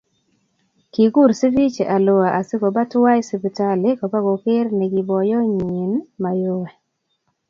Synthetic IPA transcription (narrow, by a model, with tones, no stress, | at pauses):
ki˨ɡu˦˨ɾsi˦vi˦t͡ʃe˨ʔa˨lo˨a˨ʔa˨sɪ˦kɔ˨ba˦twa˦jsɪ˨pi˨ta˦lɪ˦kɔ˨ba˦ɡo˨ke˦rnɛ˨ɡɪ˨bɔ˨jɔ˦ɲi˨nma˨jo˦wɛ˨